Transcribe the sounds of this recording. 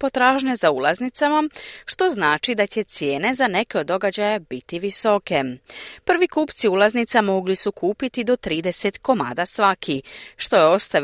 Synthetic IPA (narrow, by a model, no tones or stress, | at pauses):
po̞t̪ɾaːʒɲezaulˠaznit̪samaʃt̪o̞znaːt͡ʃid̪at͡ɕe̞t̪sje̞ːne̞zane̞keo̞d̪ːo̞ɡad͡ʑajabit̪iʋiso̞ke̞pr̩ʋikuːpt̪siulˠaznit̪samo̞ɡlisukʰuːpit̪id̪o̞t̪ɾiːd̪e̞se̞t̪ko̞ma̰ːd̪asʋakʰiʃt̪o̞jeo̞st̪a